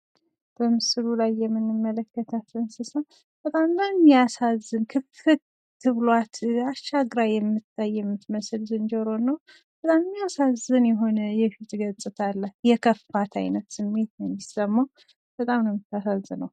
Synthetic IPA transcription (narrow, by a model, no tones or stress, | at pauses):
b̥əmɨsɨlulajːɛmːɨnːɨmːələkːət̪ʰafənsɨsəw | b̥ət̪ʼamnəmːijasazːɨnkʰɨfɨt̪ | t̪ʰːɨβlwat̪aʃaɡɾajːɛmːɨt̪ʰʼːajːɛmːɨt̪məsɨlzɨnd͡ʒəɾo̞nːəw | b̥ət̪ʼammːijasazɨnjɛɦo̞nəjɛfit̪ʼɡət͡sʼɨt̪ʰalːat̪jɛkʰəfat̪ʰa̰jnət̪sɨmːe̞t̪jɛnisːəmːaw | b̥ət̪ʼamnəmːɨt̪ʰːasazːɨnəw